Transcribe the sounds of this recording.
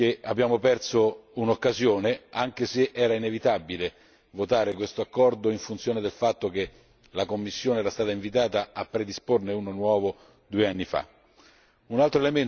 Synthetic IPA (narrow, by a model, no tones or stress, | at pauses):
kea̰bjaːmopɛrsounokːazjoːneaŋk̟eseʔɛːɾainevit̪abile | vot̪aːɾekwest̪oakːɔrd̪oiɱfunt̪sjoːned̪elfat̪ːoke | lakomːisːjoːneɛːɾast̪aːt̪aiɱvit̪aːt̪aapːɾed̪isporneunonwɔːvo | d̪uːeanːifa̰ | unalt̪ɾoelemen